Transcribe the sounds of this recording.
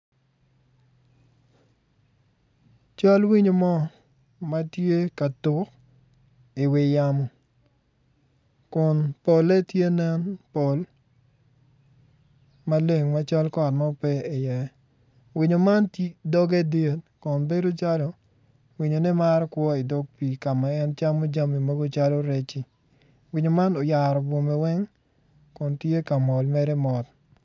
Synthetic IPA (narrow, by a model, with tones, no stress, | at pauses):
t͡ʃa˦lwi˦ɲo˨mɔ˦ | ma˦tje˦ka˨tʊ˨k | i˨wɪ˨jamɔ˨ | kʊ˨npo˨lɛ˦tje˦nɛ˦npo˨l | ma˦le˨ŋma˦t͡ʃa˦lkɔ˨t̚mɔ˦pɛ˦ɪ˨jɛ˨ | wi˨ɲo˨ma˦ndɔ˦ɡɛ˦de˦tkʊ˨nbe˦do˦t͡ʃa˦lo˨ | wi˨ɲo˨ni˦ma˦ɾkwɔ˦i˨do˦ɡ̚pi˨ka˨ma˨ɛ˦nt͡ʃa˦mo˦d͡ʒa˦mi˨mo˦ɡo˦t͡ʃa˦lo˦ɾe˦t͡ʃi˨ | wi˨ɲo˨ma˦no˨ja˨ɾɔ˨bo˨mɛ˨wɛ˦ŋ | kʊ˨ntje˦ka˨mɔ˨lmɛ˦ɾɛ˦mɔ˨t